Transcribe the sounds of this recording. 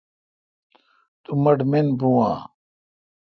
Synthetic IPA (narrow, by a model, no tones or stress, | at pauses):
t̪umɐɖmenbũã̰ː